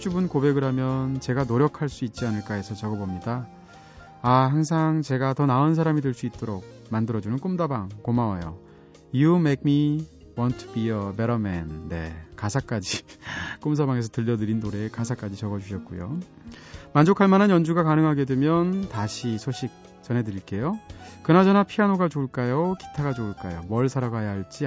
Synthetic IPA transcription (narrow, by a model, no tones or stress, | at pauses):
t͡ɕ͈ubunkobe̞ɡɯɾɦamjʌnt͡ɕe̞ɡanoɾjʌkʰaɭs͈uit̚t͡ɕ͈ianɯɭk͈aesʰʌt͡ɕʌɡʌbomɲidaː | haŋsʰaŋt͡ɕe̞ɡatʌnaons̬ʰaɾamidɯɭs͈uit̚t͈oɾok̚ | mandɯɾʌd͡ʑunɯnk͈umdabaŋkomawajo̰ | jumek̚mi | wʌntʰubiʌbeɾʌmɛnːe̞̰kasʰak͈ad͡ʑik͈umsabaŋe̞s̬ʰʌtɯʎːʌdɯɾindoɾe̞kasʰak͈ad͡ʑit͡ɕʰʌɡʌd͡ʑuɕʰʌt̚k͈ujo̰ | mand͡ʑokʰaɭmananjʌnd͡ʑuɡakanɯŋɦaɡe̞dwemjʌntaɕʰisʰoɕʰik̚ | t͡ɕʌne̞dɯiɭk͈e̞jokɯnad͡ʑʌnapʰianoɡat͡ɕoɭk͈ajoki̥tʰaɡad͡ʑouɭk͈a̰jo̰mʌɭsʰaɾaɡaɦajaɦaɭt͡ɕ͈i